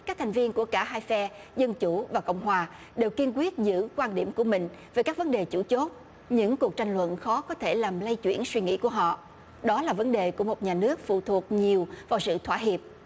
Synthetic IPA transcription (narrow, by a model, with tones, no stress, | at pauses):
ka˦˥k̚t̪ʰŋ̟vi˧ənku˧˩əkaː˧˩ɦaː˧jfɛ˧zə˧nt͡ɕu˧˩vaː˨˩kə̰˧˨wŋ͡mɦwaː˨˩ | ɗe˨˩wki˧nkwi˦˥ət̚zɨ̰˧˥kwaː˧nɗi˧˩əmku˧˩əmï˨˩ŋ̟veː˨˩jkaː˦˥k̚və˨˦nɗe˨˩t͡ɕu˧˩t͡ɕo˦˥t̚ | ɲɨ̰˧˥ŋku˨˩ək̚t͡ɕa˧jŋ̟lwə̰˧˨nxɔ˨˦kɔ˨˦t̪ʰe˧˩laː˨˩mlə˧jt͡ɕwi˧˩ənswi˧ŋḭ˧˥ku˧˩əɦɔ̰˧˨ | ɗɔ˨˦laː˨˩və˨˦nɗe˨˩ku˧˩əmo˨˩t̚ɲaː˨˩nɨ˦˥ək̚fṵ˧˨t̪ʰu˨˩ək̚ɲi˨˩əwvaː˨˩wsɨ̰˧˨t̪ʰwaː˧˥ɦi˨˩əp̚